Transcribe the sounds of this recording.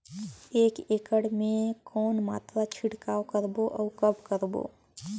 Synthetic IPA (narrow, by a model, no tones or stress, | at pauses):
eːkeːkəɽmẽkɔːnma̰ːt̪ɾat͡ʃʰɪʈkaːwkəɾboʔɔːkəbkəɾbo̰ː